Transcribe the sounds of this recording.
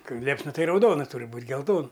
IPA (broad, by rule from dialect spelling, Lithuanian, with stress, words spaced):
ˈkɐɪ ˈlʲiɛpsnɐ ˈtɐɪ rɐʊˈdoːnɐ ˈtʊrʲɪ ˈbuːtʲ ɡʲɛlˠˈtoːn